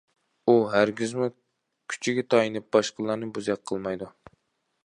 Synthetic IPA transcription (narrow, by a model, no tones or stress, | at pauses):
uɦæɾɡʲizmu | kʲʰy̥t͡ʃʰiɡʲɛt̪ʰɑjinɨp̚bɑʃqəlˠɑɾnɨbuzɛk̚qʰːəlˠmɑjd̪u